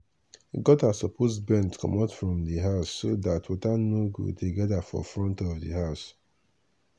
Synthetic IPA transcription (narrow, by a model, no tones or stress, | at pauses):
ɡɔtasɔpozbɛ̃ntkʰɔ̰̃matfɹɔ̃mdiɦaʊsːodatwɔtanoɡṵteɡɛdafɔ̰fɹɔ̃ntɔvdḭɦaʊs